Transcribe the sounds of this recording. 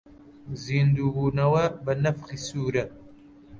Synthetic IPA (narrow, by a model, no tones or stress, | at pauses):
ziːnd̪uːbuːnɐwɐbɐnɐfχisuːɾɐt̪̚